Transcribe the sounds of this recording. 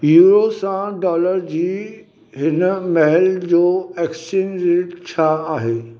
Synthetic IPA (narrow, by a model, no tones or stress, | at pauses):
juːɾosãɖɔːləɾd͡ʑiː | ɦɪnmɛɦɛld͡ʑoːɛːksənɾeːʈt͡ɕʰaaːɦeː